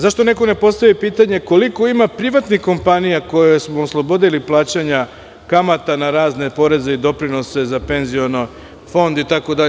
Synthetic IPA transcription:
zaʃt̪o̞ne̞ko̞ne̞po̞st̪aʋipiːt̪aɲe̞ko̞liko̞imapɾiʋat̪nixko̞mpanijako̞jesmoːslˠo̞bo̞d̪iliplˠaːt͡ɕaɲa | kamat̪anaɾaːzne̞po̞ɾe̞ze̞id̪o̞pɾino̞se̞zape̞nzijo̞no | fo̞nd̪it̪ako̞d̪aʎe

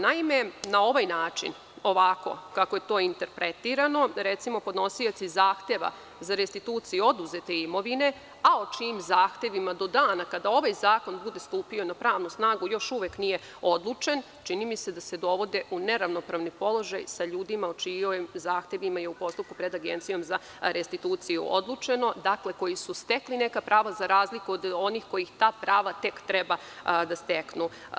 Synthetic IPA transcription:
naime̞nao̞ʋajnaːt͡ʃḭn | o̞ʋako̞̰kakoje̞t̪o̞ːint̪e̞ɾpɾe̞t̪iːɾano̞ɾe̞t̪simo̞pod̪no̞sio̞t̪sizaːxt̪e̞ʋa̰ | zaɾest̪it̪uːt̪sijuo̞d̪uze̞t̪e̞imo̞ʋine̞ | aot͡ʃiːmzaːxt̪e̞ʋimad̪o̞d̪aːnakad̪ao̞ʋajzaːko̞nbud̪e̞st̪uːpio̞napɾaːʋnusnaːɡujo̞ʃuʋeknije̞ | o̞d̪lˠut͡ʃe̞n | t͡ʃinimise̞d̪ase̞d̪o̞ʋo̞d̪e̞ʔune̞ɾaʋnopɾaːʋnipo̞lˠo̞ʒajsaʎuːd̪imaot͡ʃijomzaːxt̪e̞ʋimajeupo̞st̪up̚kupɾe̞d̪aɡe̞̰nt̪sijo̞mza | ɾest̪it̪uːt̪sijṵʔo̰d̪lˠuːt͡ʃe̞no̞d̪akle̞ko̞jisust̪e̞kline̞kapɾaːʋazaɾaːzlikuod̪o̞nixko̞jixt̪aːpɾaːʋat̪e̞kt̪ɾeba | d̪ast̪e̞knu

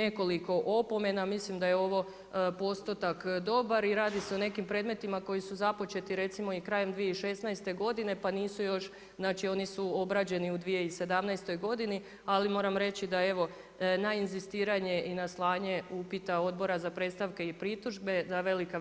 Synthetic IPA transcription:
e̞ko̞liko̞ʔo̞po̞me̞namislimd̪ajeo̞ʋo̞ | po̞st̪ot̪akd̪o̞baɾiɾaːd̪iseone̞kimpɾe̞ːd̪me̞t̪imako̞jisuzapo̞t͡ʃe̞t̪iɾe̞t̪simo̞ikɾaːje̞md̪ʋijeiʃe̞snajst̪e̞ɡo̞d̪ine̞paniːsujo̞ʃ | znaːt͡ʃio̞nisuo̞bɾad͡ʑe̞niud̪ʋije̞ise̞d̪amnajst̪o̞jɡo̞d̪ini | alimo̞ːɾamɾe̞t͡ɕid̪ae̞ʋo̞ | nainzist̪iːɾaɲe̞ʔinaslˠaːɲe̞upit̪ao̞d̪̚bo̞ɾazapɾe̞t̪st̪aʋke̞ipɾit̪uʒbe̞zaʋe̞lika

